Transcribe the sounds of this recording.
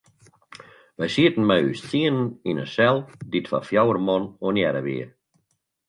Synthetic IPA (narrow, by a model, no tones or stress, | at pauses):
ʋɛjsiətn̩mɛjyst͡siənəninəsɛlˠditfa̰fjawərmɔnonjɛɾə̰ʋḭə